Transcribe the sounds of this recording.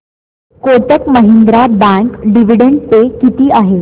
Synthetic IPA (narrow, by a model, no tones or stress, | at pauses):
kot̪əkməɦind̪ɾabãŋkɖiʋ̤iɽeɳɖt͡sekit̪iːʔaɦe